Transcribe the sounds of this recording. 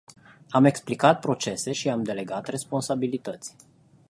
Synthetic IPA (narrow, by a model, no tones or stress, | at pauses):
ame̞ksplikat̪̚pɾo̞t͡ʃe̞se̞ʃiamd̪e̞le̞ɡat̪re̞spo̞nsabilit̪ət̪sʲ